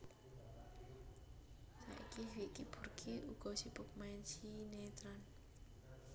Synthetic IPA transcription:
sa̰ʔikiwiʔkib̥ṳrkʰiuɡ̥ɔ̤sipʊk̚maɛnsinet̪ɾan

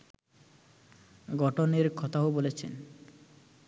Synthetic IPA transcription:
ɡɔʈoneɾkʰɔt̪aɦobolet͡ɕʰḛn

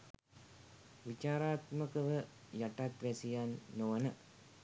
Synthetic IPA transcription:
ʋit͡ʃaːɾaːt̪mɐkɐʋɨ | jɐʈːaːt̪ɾesijaːnːoʋɐnɐ

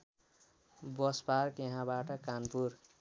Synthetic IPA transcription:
bʌsparkjeɦãbaʈʌkanpur

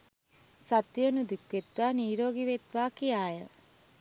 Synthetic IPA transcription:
sat̪ʋijənud̪ikʋet̪ʋaːniːɾoːɡiʋet̪ʋaːkijaːjə

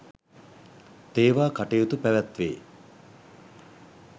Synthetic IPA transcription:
t̪eːʋaːkaʈejut̪upæʋæt̪ʋḛː

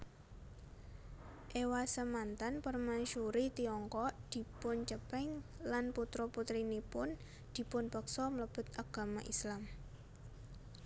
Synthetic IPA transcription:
ʔewasəmant̪anpərmanʃuɾit̪iɔŋkɔʔd̪̥i̤pʊnt͡ʃəpɛŋlanput̪ɾɔput̪ɾinipʊn | d̪̥i̤pʊnpəksɔmələb̥ʊ̤t̪̚aɡ̥a̤maʔislam

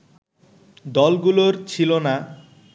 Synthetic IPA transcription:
d̪ɔlɡuloɾt͡ɕʰilona

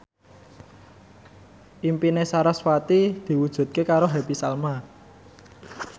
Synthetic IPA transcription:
ʔimpinesaɾaswat̪id̪̥i̤wud̥ʒ̥ṳt̪̚kekaɾoɦɛpisalma

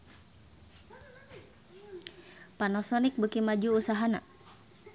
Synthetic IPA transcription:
panɔsɔnik̚bəkimad͡ʒuːsaɦana̰

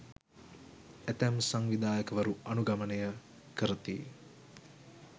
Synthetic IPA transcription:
æt̪æmsaŋʋid̪aːjəkəʋaɾuanuɡamənəjə | kəɾət̪ḭ

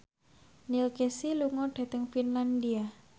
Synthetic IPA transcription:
nilkesiluŋɔɖ̥a̤t̪əŋfinland̪ia

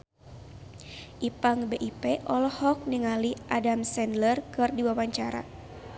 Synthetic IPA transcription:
ʔipaŋbeʔipeʔɔlɔhɔk̚niŋaliʔadamsɛndlərkɨrdiwawaɲt͡ʃaɾa̰

